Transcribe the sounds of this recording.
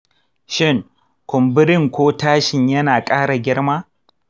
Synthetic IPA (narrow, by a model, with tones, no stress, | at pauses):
ʃɪ˦ŋ | kʷʊ˨mbɪ˦ɾɪ˦ŋkʷoː˦taː˦ʃɪ˨ɲjɐ˦naː˨kʼaː˦ɽa˨ɡʲɪ˦ɽmaː˦